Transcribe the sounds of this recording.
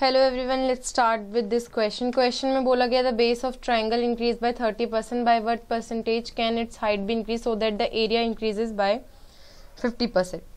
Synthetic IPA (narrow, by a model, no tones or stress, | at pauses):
fɛloːɛʋɾiʋɐ̃nlɛʈsːʈaːɾʈʋɪd̪ːɪskwɛst͡ʃə̃nkʋɛst͡ʃə̃nmẽboːlaɡɐjad̪əbeːsɔːʋʈɾajə̃ŋɡəlɪ̃nkɾiːzbaɪt̪ʰəːɾʈipəɾsɛ̃ɳʈ̚baɪʋəɾt̪̚pəɾsɛ̃ɳʈeːd͡ʒkɛ̃ːnɪʈshaɪɖ̚biɪ̃nkɾiːzsoːd̪ɛʈ̚d̪əʔeːɾijaɪ̃nkɾiːsɪzbaɪ | fɪfʈipəɾsɛ̃ɳʈ